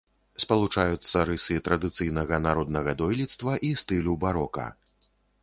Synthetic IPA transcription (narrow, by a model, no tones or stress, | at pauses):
spɐlˠut͡ʂajut̪sːɐɾɨsɨt̪ɾɐd̪ɨt̪sɨjnɐɣɐnaɾɔd̪nɐɣɐd̪ɔjlʲit̪st̪vɐʔist̪ɨlʲubaɾɔkɐ̰